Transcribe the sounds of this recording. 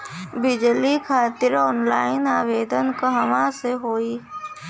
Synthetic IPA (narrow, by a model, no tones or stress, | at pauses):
bɪd͡ʒlikʰaːt̪ɪɾɔːnlaːɪnaːʋeːd̪ənkɐɦɐʋãseɦoːiː